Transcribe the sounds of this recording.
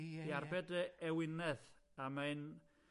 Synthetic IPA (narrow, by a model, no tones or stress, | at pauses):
iarbɛdəɛwɪnɛðamaɨn